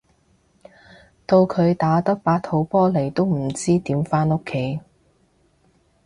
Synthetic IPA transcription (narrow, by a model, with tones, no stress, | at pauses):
t̪o˧wkʰɵ˨˧ɥt̪aː˨˥t̪ɐ˥k̚paː˨˥k̚t̪ʰo˨˥wpɔː˥le˨˩jt̪o˥wm̩˨˩t͡siː˥t̪iː˨˥mfaː˥no˥kʰːe˨˥j